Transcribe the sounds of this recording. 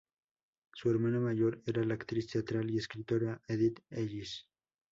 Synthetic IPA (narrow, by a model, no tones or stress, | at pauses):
sueɾmanamaʝoɾeɾalakt̪ɾist̪eat̪ɾalieskɾit̪oɾaeðit̪eʎis